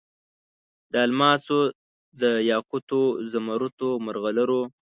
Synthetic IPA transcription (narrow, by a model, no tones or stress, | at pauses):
d̪əalmɑso | d̪əjɑkut̪ozamaɾut̪omaɾɣalaɾo